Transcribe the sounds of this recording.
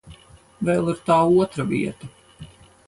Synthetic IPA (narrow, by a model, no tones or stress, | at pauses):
vɛlˠiɾt̪aːuɔt̪ɾavḭɛt̪ɐ